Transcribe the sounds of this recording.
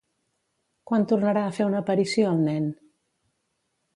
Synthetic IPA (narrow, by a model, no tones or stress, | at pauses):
kwant̪urnəɾaəfeunəːpəɾisioəlˠnɛn